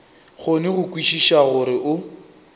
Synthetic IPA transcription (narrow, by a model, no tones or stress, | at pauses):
χʊnɪɣʊkwiʃiʃaɣʊɾɪʔʊ